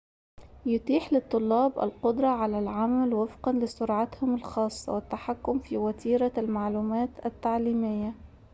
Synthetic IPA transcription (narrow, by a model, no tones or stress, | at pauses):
jʊt̪iːħlɪt̪ˤːʊlːɑːbʔa̰lqʊd̪ɾˤɑʕalalʕamalwɪfqɑnlɪsʊɾʕat̪hʊmɪlxɑːsˤːɑ̰wɪt̪ːaħakːʊmfiːwat̪ʰiːɾalmaʕluːmaːt̪at̪ːaʕliːmɪjːa